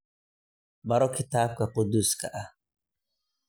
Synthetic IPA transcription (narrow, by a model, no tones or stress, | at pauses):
baɾɔkʰit̪aːb̚kaqʊd̪uskaʔa